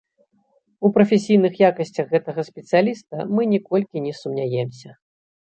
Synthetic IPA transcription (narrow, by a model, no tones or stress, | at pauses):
upɾɐfʲɛsʲijnɨxjakɐsʲt͡sʲɐxːɛt̪ɐɣɐsʲpʲɛt̪sɨjalʲist̪ɐmɨnʲɛkɔlʲkʲinʲɛsumnʲajɛmsʲɐ